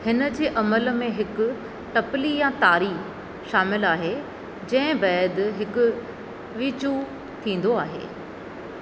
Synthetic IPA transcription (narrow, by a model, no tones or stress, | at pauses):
hɪnə̆d͡ʑeːʔɐməlmẽɦɪkʊ̆ | ʈɐpɪlijãt̪aːɾiː | ʃaːmɪlaːɦe | d͡ʑɐ̃ɦɪ̃bɛːd̪ɦɪkʊ | ʋiːt͡ɕu | t̪ʰĩːn̆d̪oaːɦḛː